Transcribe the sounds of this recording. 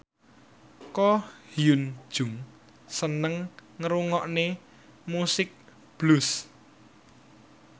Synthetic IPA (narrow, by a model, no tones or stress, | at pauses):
kɔhijund̥ʒ̥ʊŋ | sənəŋːəɾuŋɔʔne | musɪk̚ | b̥lʊs